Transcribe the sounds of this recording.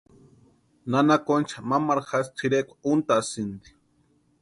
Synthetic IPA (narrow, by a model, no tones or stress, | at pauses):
nanakont͡ʃʰamamaɾxast̪ʰiɾekʷʰḁunt̪asind̪i̥